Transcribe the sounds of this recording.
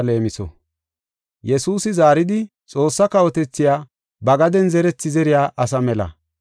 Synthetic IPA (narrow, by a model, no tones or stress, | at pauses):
le̞ːmɪsɔ̰ | jɛsuːsɪzaːɾɪd̪ɪ | t͡sʼo̞ːsːɐkɐwɔt̪ɛt͡sːɪjaː | bɐɡɐd̪ɛnzɛɾɛt͡sːɪzɛɾɪjaːʔɐs̬ɐmɛlɐ̰